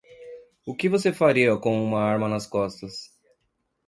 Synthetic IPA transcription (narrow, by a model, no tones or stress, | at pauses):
ʊkɪvosefaɾiɐkõw̃ũmɐaɾmɐnɐskɔst̪ɐs